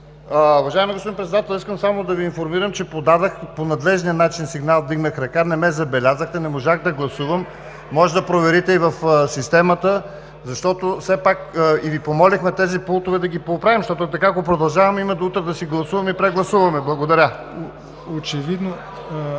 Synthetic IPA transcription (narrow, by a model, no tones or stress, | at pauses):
ʊvɐʒaɛmiɡospod̪inpɾɛt̪d̪at̪ɛlˠiskəmsamod̪ɐviːnfoɾmiɾəmt͡ʃɛpod̪ad̪əxponɐd̪lɛʒnijənat͡ʃinsiɡnalˠd̪iɡnəxɾɐkanɛmɛzɐbɛlʲazəxt̪ɛnɛmoʒaɣd̪ɐɡlˠɐsuvəmː | ɔʒɛd̪ɐpɾovɛɾit̪ɛivɐfsist̪ɛmɐt̪ə | zɐʃt̪ɔt̪ofsɛpakːivipomɔlixmɛt̪ɛzipulˠt̪ovɛd̪ɐɡipoːpɾavimʃt̪ɔt̪ʊt̪ɐkaɡopɾod̪ɐlˠʒavɐmimɐd̪ut̪ɾɛd̪ɐsiɡlˠɐsuvɐmipɾɛɡlˠɐsuvɐmɛblˠɐɡod̪ɐɾʲə | ot͡ʃɛvid̪no